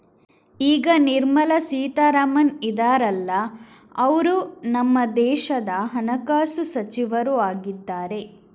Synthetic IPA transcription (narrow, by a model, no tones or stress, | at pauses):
iːɡɐniɾmɐlɐsiːt̪aːɾɐmɐnid̪aːɾɐlːɐ | ɐʋɐɾunɐmːɐd̪ɛːʃɐd̪ɐɦɐnɐkaːsusɐt͡ʃiʋɐɾuaːɡid̪ːaːɾe̞